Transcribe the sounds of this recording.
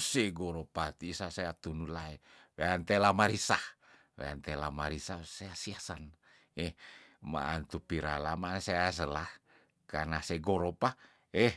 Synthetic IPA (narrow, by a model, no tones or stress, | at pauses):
seɡoɾopat̪iːsasajat̪unulae | weant̪elamaɾisah | wḛa̰nt̪elamaɾisasaasiasan | ehma̰ʔa̰nt̪upiɾa̰lamanseas̬əlah | kanaseɡoɾopa | eh